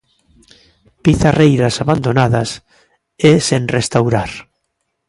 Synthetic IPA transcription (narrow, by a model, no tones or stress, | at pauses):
piθarejɾasaβand̪onaðas | esenrest̪awɾaɾ